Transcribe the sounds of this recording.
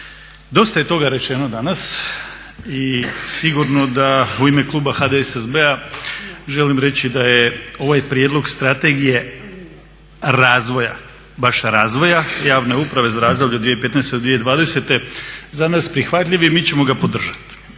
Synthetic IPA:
d̪o̞st̪ajet̪o̞ɡaɾe̞t͡ʃe̞nod̪anas | isiɡuɾno̞d̪auime̞klˠuːbaxad̪esezbea | ʒe̞limɾe̞t͡ɕid̪ajeo̞ʋajpɾjed̪lo̞ɡst̪ɾat̪e̞ɡije̞ | ɾaːzʋo̞ja̰ | baʃɾaːzʋo̞jajaːʋne̞upɾaʋe̞zaɾaːzd̪o̞bʎʲud̪ʋijepe̞t̪nɛjst̪eod̪ʋijed̪ʋaːd̪e̞se̞t̪e̞zanaspɾixʋat̪ʎʲiʋimiːt͡ɕe̞mo̞ɡapo̞d̪r̩ʒḁt̪i̥

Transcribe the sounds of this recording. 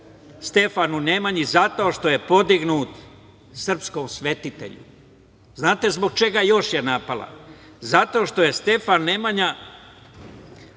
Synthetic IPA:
st̪e̞fanunemaɲizat̪o̞ːʃt̪o̞je̞po̞d̪iɡnuːt̪ | sr̩psko̞msʋe̞t̪it̪e̞̰ʎṵ | znaːt̪e̞zbo̞ɡ̚t͡ʃe̞ɡajo̞ʃjenapalˠa̰ | zat̪o̞ːʃt̪o̞je̞st̪e̞fanːemaɲa

